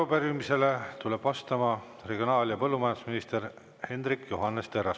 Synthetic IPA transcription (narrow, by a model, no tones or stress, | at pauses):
obærimise̞le̞t̪ule̞b̥ɑst̪ɑmɑ | re̞ɡio̞nɑːljɑpɤlːumɑjɑnd̪u̥sminist̪e̞r | he̞nd̪rikːjuɦɑnːest̪erɑs